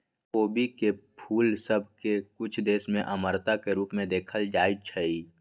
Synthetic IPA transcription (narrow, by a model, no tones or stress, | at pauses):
oːbikepʰuːlsəbʱkekʊt͡ʃʰd̪eːsmẽʔəməɾt̪akeɾuːpmẽd̪eːkʰəld͡ʒaːit͡ʃʰəi